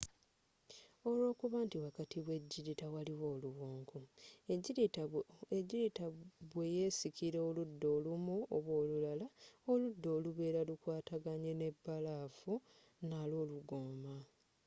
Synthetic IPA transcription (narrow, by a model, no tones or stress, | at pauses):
o̞lo̞ːkuβaːntiwakatʰiβwe̞ɟːiɾitawaliwo̞ːluɣoːŋkʰu | ɟiɾitaβwe̞je̞sikiɾeoludːo̞ːlumuoβwo̞ːlulalaoludːo̞ːluβe̞ːɾalukwaːtaɡaɲe̞ne̞bːalaːfu | nalo̞ːluɡoːma